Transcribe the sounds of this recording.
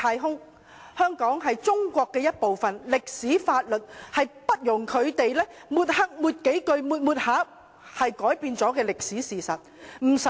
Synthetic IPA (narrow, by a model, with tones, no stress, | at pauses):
aː˧jɦʊ˥ŋ | hœː˥ŋkɔː˨˥ŋɦɐ˨jt͡sʊ˥ŋkʷɔː˧kːɛː˧jɐ˥t̚po˨wfɐ˨nlɪ˨k̚siː˨˥faː˧t̚lɵ˨t̚hɐ˨jpɐ˥t̚jʊ˨˩ŋkʰɵ˨˧ɥt̪e˨jlɛː˥muː˨t̚hɐ˥k̚muː˨˧t̚ke˨˥jkɵ˧ɥmuː˨˧t̚muː˧t̚haː˨˥ | hɐ˨jkɔː˨˥jpiː˧nt͡sɔː˨˥kɛː˧lɪ˨k̚siː˨˥siː˨˩sɐ˨t̚m̩˨˩s